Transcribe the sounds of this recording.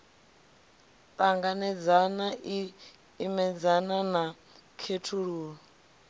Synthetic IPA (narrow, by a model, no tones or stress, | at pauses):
t̪ʼaŋɡanɛd͡zanaʔiː | mɛd͡zanana | kʰetʰuɺuːɺɔ